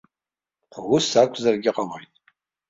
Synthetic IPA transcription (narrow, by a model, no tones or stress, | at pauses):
wusakʷʰzarɡʲɪqʼamojtʼ